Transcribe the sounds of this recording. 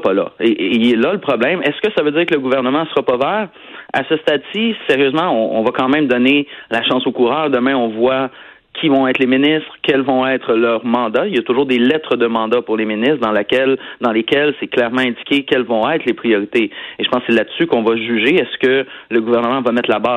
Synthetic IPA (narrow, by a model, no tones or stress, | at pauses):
spala̰eʔɛlaləpχɔblɛ̃mɛskəsavød͡ziːʁkələɡuvɛʁnəmɑ̃səʁapɔvɛːʁ | a̰səst̪ad̪siseʁjøːzmɑ̃ɔ̃ɔ̃vakɑ̃mɛ̃md̪ɔnelaʃɑ̃sokuʁœːʁd̪əmɛ̃ɔ̃vwa | kʲʰivɔ̃ɛːt̪leminɪst̪χkʲɛlvɔ̃ɛt̪χəlœːʁmɑ̃d̪ailjat̪ʊʒuːʁd̪elɛt̪χəd̪əmɑ̃d̪apuʁleminɪst̪d̪ɑ̃lakʲɛld̪ɑ̃lekʲɛlsɛklɛʁmɑ̃ɛ̃dd͡zikʲekʲɛlvɔ̃ɛɪt̪χlepχijɔʁit̪eeʒəpɑ̃ssɛlad̪sykɔ̃vaʒyʒeɛskələɡuvɛʁnəmɑ̃vamɛt̪labaː